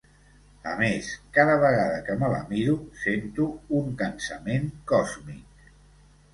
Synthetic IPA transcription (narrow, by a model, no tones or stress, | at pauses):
ə̰meskaðəβəɣ̞aðəkəmələ̰miɾusent̪uːŋkənsəmeŋkɔzmik̚